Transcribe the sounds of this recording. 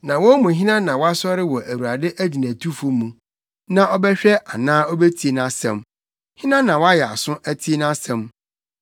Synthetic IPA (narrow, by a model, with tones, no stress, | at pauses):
nã˨wɔ̃˦mũ˨ɦɪ̃˦nã˦nã˨wɔ˦a˦sɔ˦ɾɪ˦wɔ˨ʔæ˨wu˨ɾa˨dɪ˦ʔæ˦di˨næ̃˨tʰu˦fʊ˦mːũ˨ | nã˨ʔɔ˦bɛ˦ɕᶣɛ˦ʔa˨nãː˦ɔ˦be˦tʰi˦e˨nã˦sɛ̰̃˦m | hɪ̃˦nã˦nã˨wɔ˦a˦jɛ˨a˨sʊ̃˦æ˦tʰi˦e˦nã˦sɛ̃˨m